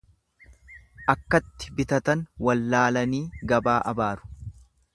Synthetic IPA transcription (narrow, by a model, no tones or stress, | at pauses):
ʔɐkːɐt̪ːɪ̥bɪt̪ɐt̪ɐnwɐlːaːlɐniːɡɐbaːʔɐbaːɾʊ̥